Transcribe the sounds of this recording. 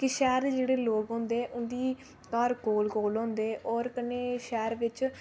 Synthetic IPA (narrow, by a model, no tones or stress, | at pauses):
kɪʃɛːɾd̪eːd͡ʒeːɽeːloːkɦõːnd̪eːʔʊnd̪iː | k̪ɔɾkoːlkoːlɦõːnd̪eːʔɔːɾkəneːʃɛːɾʋɪt͡ʃ